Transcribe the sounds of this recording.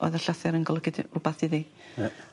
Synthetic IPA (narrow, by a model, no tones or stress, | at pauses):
ɔ̰ðaɬaθɛɾənɡɔlˠəɡɪdrʊbaθiði